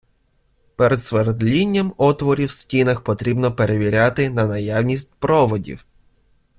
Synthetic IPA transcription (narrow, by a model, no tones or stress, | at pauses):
peɾɛd̪sʋeɾd̪lʲinʲːɐmɔt̪ʋɔɾʲiwsʲtʲinɐxpɔt̪ɾʲibnɔpeɾeʋʲiɾʲat̪ɪnɐnɐjawnʲisʲt̚ʲpɾɔʋɔdʲḭw